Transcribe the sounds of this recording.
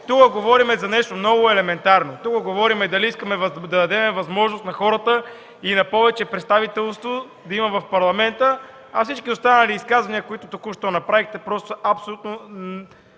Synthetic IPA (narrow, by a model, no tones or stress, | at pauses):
t̪ukəɡovɔɾimɛzɐnɛʃt̪omnɔɡʊɛlɛmɛnt̪aɾnot̪ukəɡovɔɾimɛd̪ɐliiskəmɛvɐd̪ɐd̪ɐd̪ɛmɛvɐzmɔʒnost̪nɐxɔɾət̪ə | inɐpɔvɛt͡ʃɛpɾɛt̪st̪avit̪ɛlˠst̪vo | d̪ɐimɐvɐfpɐɾlˠɐmɛnt̪ə | ɐfsit͡ʃkiost̪anəliːskazvɐniəkoit̪ʊt̪okuʃt̪onɐpɾavixt̪ɛpɾɔst̪oɐpsolʲut̪̚nʊ